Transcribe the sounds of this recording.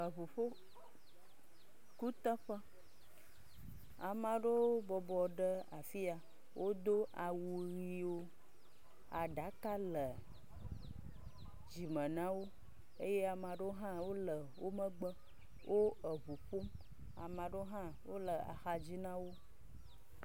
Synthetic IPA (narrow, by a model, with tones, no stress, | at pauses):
ə˨βu˨ɸo˦ | ku˦t̪ə˦ɸə˦ | a˨mã˨ɖo˦bɔ˨bɔ˨ɖə˦a˨fi˦a˨ | wʔo˦d̪o˦ʔa˨wu˨ɣi˦wo˦ | a˨ɖa˨˦ka˦lə˨ | d͡ʒi˨mə̃˨nã˦wo˦ | e˦je˦a˨mã˨ɖo˦ɦã˦wo˦lə˨wo˦mə̃˦ɡ͡bə˦ | wʔo˦ə˨βu˨ɸo˦m | a̰˨mã˨ɖo˦ɦã˦ | wo˦lə˨a̰˨xa˨d͡ʑi˦nã˦wo˦